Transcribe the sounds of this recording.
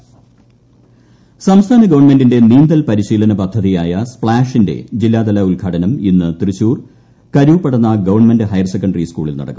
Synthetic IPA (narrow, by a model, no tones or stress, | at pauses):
sɐmst̪ʰaːnɐɡɐʋɐrɳmendinde̞niːnd̪ɐlpɐɾiɕiːlɐnɐpɐd̪ʱːɐðijaːjɐspɭaːʂinde̞̰d͡ʑilːaːd̪ɐlɐulɡʰʱaːʈɐnɐminːɨt̪irit͡ɕːuːr | kɐɾuːpːɐɽɐnːɐɡɐʋɐrɳmendɨɦɐjrɐsekːɐɳɖɐriskuːɭilnɐ̰ɽɐkːum